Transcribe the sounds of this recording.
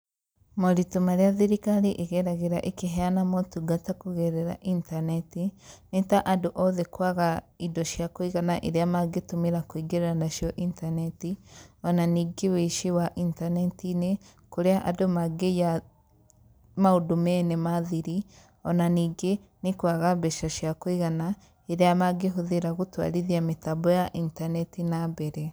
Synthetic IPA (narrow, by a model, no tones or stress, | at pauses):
moɾitomaɾeaðiɾikaɾiʔeɣɛɾaɣeɾaʔekeɦɛanamɔtuɡatakoɣɛɾɛɾa̰ʔintanɛtinetaʔadoʔɔðɛkwaɣa | idɔʃjakwiɣanaʔeɾeamaɡetomeɾakwiɡeɾeɾanaʃjɔʔintanɛtiɔnaniːɡeweʃiwaʔintanɛtine | koɾeaʔadomaɡeja | maodomɛnɛmaðiɾi | ɔnaniːɡe | nekwaɣabɛʃaʃjakwiɣana | eɾeamaɡeɦoðeɾaɣotwa̰ɾeðiametabɔjaʔintanɛtinabɛɾɛ